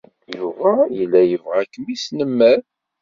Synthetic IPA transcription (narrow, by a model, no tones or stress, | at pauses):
juvæjəlːæjəvʁækːəmisnəmːæɾ